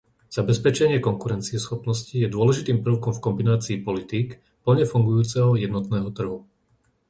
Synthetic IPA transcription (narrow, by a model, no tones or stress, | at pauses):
z̥abɛspɛt͡ʃɛɲɪɛkɔŋkuɾɛnt͡siɛsxɔpnɔscijɛd̪ʊɔlɛʒit̪iːmpr̩ʊkɔɱfkɔmbinaːt͡siːpɔlit̪iːk | pl̩ɲɛfuŋɡujuːt͡sɛɦɔjɛd̪nɔt̪nɛːɦɔt̪r̩ɦu